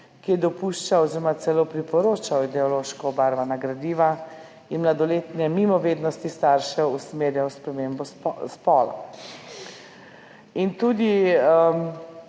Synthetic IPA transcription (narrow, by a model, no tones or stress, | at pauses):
kijɛd̪ɔpuʃt͡ʃaɔziɾɔmat̪sɛlopɾipɔɾoːt͡ʃawid̪ɛɔloːʃkɔbaɾʋanaɡɾad̪iːʋa | inmlad̪ɔleːt̪nɛmimɔʋeːd̪nɔst̪ist̪aɾʃɛusmeːɾjawspɾɛmeːmbɔspɔːla̰ | int̪uːd̪iə